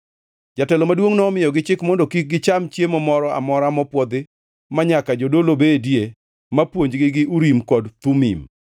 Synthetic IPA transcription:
d͡ʒatɛlɔmadwoŋnɔːmɪjɔɡɪt͡ʃɪkmɔndɔkik̚ɡɪt͡ʃamt͡ʃjemɔmɔɾɔa̰mɔɾamɔpwɔd̪ɪ | maɲakad͡ʒodolobedje | mapwoɲd͡ʒɡɪɡɪʔuɾimkɔdt̪umḭm

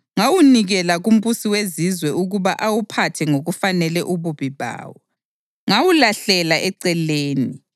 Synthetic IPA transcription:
ŋawuniɣɛlaɣum̩βusiwezizwɛuɣuβaʔawupʰatʰɛŋoɣufanɛlɛʔuβuβiβa̰ːwɔ | ŋawulaɬɛlaʔɛǀɛleːni

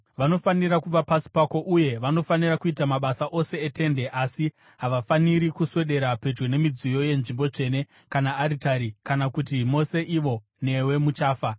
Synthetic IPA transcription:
ʋano̞fanirakuʋapasi̥pako̞ʔuje̞ʋano̞fanirakuitamaɓasaʔo̞se̞ːte̞nde̞ʔasi | ɦaʋafaniɾikuswe̞ɗe̞ɾape̞d͡ʒwene̞mid͡zijo̞je̞nʐimbo̞t͡ʂe̞ne̞ | kanaːɾitaɾikanakut̬imo̞se̞ʔiʋo̞ | ne̞we̞mut͡ʃaːfa

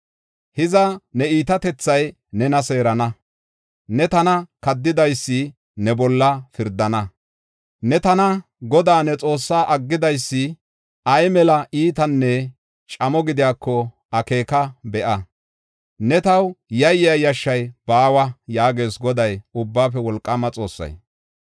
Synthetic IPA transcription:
hɪzɐnɛiːt̪ɐt̪ɛt͡sːɐj | nɛnɐse̞ːɾɐnɐ | nɛt̪ɐnɐkɐd̪ːɪd̪ɐjsːɪ | nɛbɔlːɐfɪɾd̪ɐnɐ | nɛt̪ɐnɐ | ɡɔd̪aːnɛt͡sʼo̞ːsːaːʔɐɡːɪd̪ɐjsːɪ | ɐjmɛlɐʔiːt̪ɐnːɛ | t͡ʃʼɐmɔɡɪd̪ɪjaːkːɔ | ɐke̞ːkɐbɛʔɐ | nɛt̪ɐwjɐjɪjɐjɐʃːɐjb̥aːwɐjaːɡe̞ːsɡɔd̪ɐjʊbːaːfɛwɔlkʼːɐmɐt͡sʼo̞̰ːsːɐ̰j

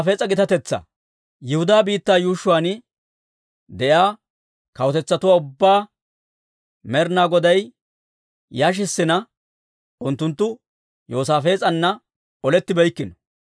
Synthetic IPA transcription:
fe̞ːt͡sʼɐɡɪt̪ɐt̪ɛt͡sːɐ̰ | jɪhʊd̪aːbiːt̪ːaːjuːʃʊwaːnɪ | d̪ɛʔjaː | kɐwɔt̪ɛt͡sːɐt̪ʊwaːʊbːaː | mɛɾnaːɡɔd̪ɐj | jaːʃ̬ɪsːɪnɐ | ʔʊnt̪ːʊnt̪ːʊ | jo̞ːsaːfe̞ːt͡sʼɐnːɐ | ɔlɛt̪ːɪbɛjkːɪnɔ̥

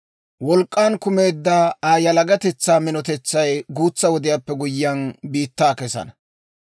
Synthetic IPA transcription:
wɔlkʼːaːnkʊmeːd̪ːaːaːjɐlɐɡɐt̪ɛt͡sːaːmɪnɔt̪ɛt͡sːɐjɡuːt͡sːɐwɔd̪ɪjaːpːɛɡʊjːɐnbiːt̪ːaːkɛsɐ̰nɐ

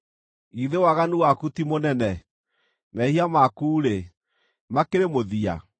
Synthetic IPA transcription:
iðewaɣanuwakutimonɛnɛ | mɛhiamakuːɾe | makeɾemoðia̰

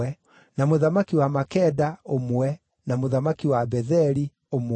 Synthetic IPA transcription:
ɛ | namoðamakiwamakɛdaomwɛ | namoðamakiwabɛðɛɾi | om

